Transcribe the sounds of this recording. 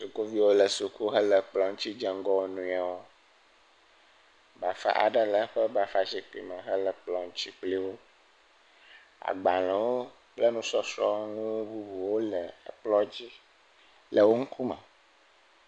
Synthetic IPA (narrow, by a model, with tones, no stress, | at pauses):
su˨ku˦vi˦wo˦lə˨su˨ku˦ɦə˦lə˨k͡plɔ˨ŋ̩˦t͡ɕi˦d͡ʒa˨ŋ˦ɡɔ˦wnũ˨a˨wo˦ | ba˨fa̰˦ʔa̰˨ɖə˦lə˨˦ɸə˦ba˨fa˦si˨k͡pḭ˨mə̃˨ɦə˦lə˨k͡plɔ˨ŋ̩̃˦t͡ɕi˦k͡pli˦wo˦ | a̰˨ɡ͡ba˨lɛ̃˨wo˦ | k͡plɛ˦nũ˦sɔ˦sɾɔ̰˦ŋũ˦bu˦bu˨wo˦lə˨k͡plɔ˦d͡ʑi˦ | lə˨wo˦ŋ̩˦kʰu˦mɛ̰̃˨